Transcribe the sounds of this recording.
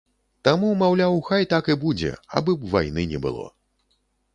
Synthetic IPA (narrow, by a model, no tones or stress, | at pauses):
t̪amumawlʲawxajt̪akɨbud͡zʲɛ̰a̰bɨvajnɨnʲɛbɨ̰lˠɔ̰